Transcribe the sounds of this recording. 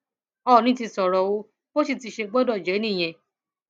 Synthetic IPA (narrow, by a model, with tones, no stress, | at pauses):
ɔ˦˨nĩ˦ti˧sɔ˨ɾɔ˨wo˧˦ | o˦si˦˧˨ti˧ʃe˧ɡ͡bɔ˦dɔ˦˨d͡ʒɛ˨˦nĩ˦˨j̃ɛ̃˧˨